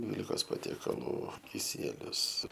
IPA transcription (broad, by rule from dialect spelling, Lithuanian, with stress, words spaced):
ˈdʲʋʲiːlʲɪkoːs pɐtʲiɛkɐˈlˠuː kʲɪˈsʲiɛlʲʊs